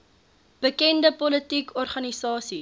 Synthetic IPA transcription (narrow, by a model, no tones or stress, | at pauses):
b̥əkɛndəpɔlətikɔrχɐnisɑːsi